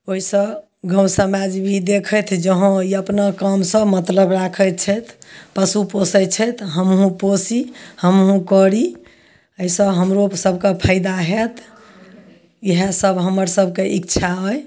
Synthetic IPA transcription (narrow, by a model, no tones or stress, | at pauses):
oɦisə | ɡə̃w̃səmad͡ʒbʱid̪ekʰət̪ʰd͡ʒəɦõiəpnakəmsəmət̪ləbɾakʰət͡ʃʰət̪ʰpəsuposət͡ʃʰət̪ʰɦəmɦũposihəmɦũkəɾi | əisə̃ɦəmɾosəbʱkepʰaɪd̪aɦet̪ʰ | iɦesəbɦəməɾsəbʱkeʔikt͡ʃʰaɦɔj